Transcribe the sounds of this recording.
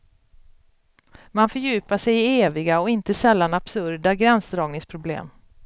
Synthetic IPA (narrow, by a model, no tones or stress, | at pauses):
manfœɾjʉ̟ːpaʂɛjɪeːvɪɡaɔɪnt̪əsɛlːanab̥sɵɾɖaɡɾɛnsd̪ɾɑːɡnɪŋspʰɾʊblḛːm